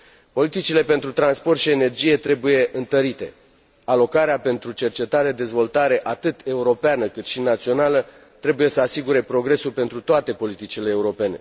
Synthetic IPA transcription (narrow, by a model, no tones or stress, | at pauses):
po̞lit̪it͡ʃile̞pe̞nt̪ɾut̪ɾanspo̞rt̪ʃie̞ne̞rd͡ʒije̞t̪ɾe̞buje̞ʔɨnt̪əɾit̪e̞̰ | alo̞kaɾeape̞nt̪ɾut͡ʃe̞rt͡ʃe̞t̪aɾed̪e̞zvo̞lt̪aɾe̞ʔat̪ɨt̪ʰe̞uɾo̞peanəkɨt̪ʃinat̪sio̞nalə | t̪ɾe̞buje̞səasiɡuɾe̞pɾo̞ɡɾe̞sulpe̞nt̪ɾut̪oat̪e̞po̞lit̪it͡ʃile̞ːuɾo̞pe̞ne̞̰